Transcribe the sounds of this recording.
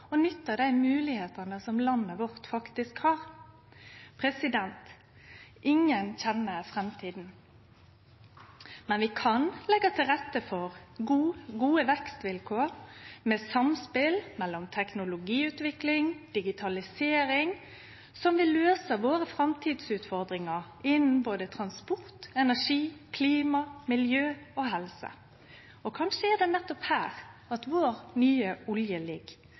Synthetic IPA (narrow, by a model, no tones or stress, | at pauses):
ɔnʏt̪ːəd̪æɪmʉːlɪheːt̪ənəsɔmlɑnːəʋɔɾt̪fɑkt̪ɪskhɑːɾ | pʰɾɛsɪd̪ɛnt̪ | ʔɪŋːənçɛnːəfʁɛmt̪ʰiːd̪n̩ | mɛnʋɪkʰɑnlɛɡːɑt̪ʰɪlɾɛt̪ːəfɔʁɡuːɡuːəʋɛkst̪ʋɪlkʰoːɾmeːsɑmspɪlmɛlːɔmt̪ʰɛknʊlʊɡiːʉːt̪ʋɪklɪŋd̪̥ɪɡɪt̪ʰɑlɪseːɾɪŋ | sɔmʋɪløːsəʋoːɾəfɾɑmt̪ʰiːd̪sʉːt̪fɔɾd̪ɾɪŋə | ɪnn̩boːd̪ət̪ʰɾɑnspʊɾt̪ɛnæʂiːkʰliːmɑmɪljøːɔɦɛlsə̰ | ɔkʰɑnʂəæɖ̪ɛnɛt̪ːɔphæːʁɑt̪ʋoːɾnyːəʊljəlɪɡ